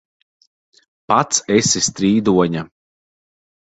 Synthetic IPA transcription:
pat̪sɛsist̪ɾiːd̪uɔɲa

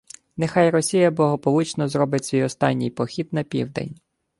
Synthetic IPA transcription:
nexɑjrɔsʲijɐblˠɐɦɔpɔlˠʊt͡ʃnɔzrɔbɪtʲsʲʋʲijɔst̪ɑ̰nʲːḭjpɔxʲid̪nɐpʲḭwd̪ḛnʲ

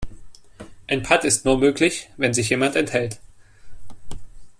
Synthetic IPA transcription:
ʔaɪnpʰatɪstnuːɐmøːklɪçvɛnzɪç̬jeːmantɛnthɛlt

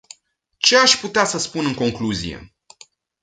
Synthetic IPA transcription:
t͡ʃe̞aʃput̪easəspunɨŋko̞ŋkluzḭjḛ

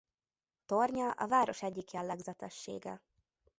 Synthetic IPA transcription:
t̪orɲɒʔɒ̰vaːɾo̞ʃɛɟːikjɛlːɛɡzɛt̪ɛʃːḛːɡɛ

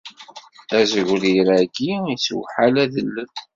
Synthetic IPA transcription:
æzəʝɾiɾæɡiiswħalæðəlːən

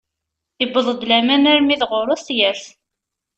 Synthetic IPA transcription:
əbːəðˤəd̪læmænæɾmiðʁʊɾˤʊst̪jəɾθ

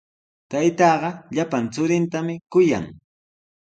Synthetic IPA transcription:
t̪ajt̪ɑːɢɑʎapant͡sʊɾɪnt̪amɪkʊja̰ŋ

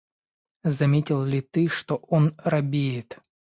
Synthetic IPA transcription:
zɐmʲetʲɪlˠlʲɪt̪ɨʂt̪oʔonrɐbʲejɪt̪

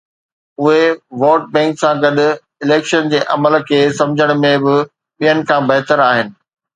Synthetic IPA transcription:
ʊɦeʋoːʈ̚bɛ̃ːŋksãɡɐɗʊ̆ | ɪleːkʃənd͡ʑeːʔɐməlkʰeːsɐ̃md͡ʑʱəɽ̃ʊmẽbɪ | ɓijənɪ̆kʰãːbɐɦt̪əɾaːɦɪnɪ̆

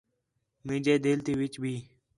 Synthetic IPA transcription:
mĩːd͡ʒeːd̪eːlt̪iːʋɪt͡ʃbʱiː

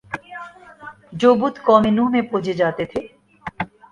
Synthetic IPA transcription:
d͡ʑoːbut̪kɔːmenuɦmepoːd͡ʑed͡ʑaːt̪et̪ʰe

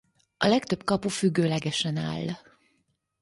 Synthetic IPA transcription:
ɒ̰lɛkt̪ø̞bkɒpufyɡːøːlɛɡɛʃɛna̰ːlː

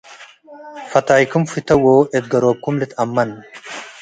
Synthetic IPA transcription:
fɐt̪aːjkʊmfɪt̪ɐwoːʔɛt̪̚ɡɐɾoːb̚kʊmlɪt̪ɐmːɐnː

